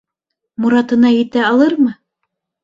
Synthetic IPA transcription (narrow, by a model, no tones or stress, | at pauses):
muɾɑt̪ɤ̆nɑjɘ̆t̪æɑlˠɤɾmɤ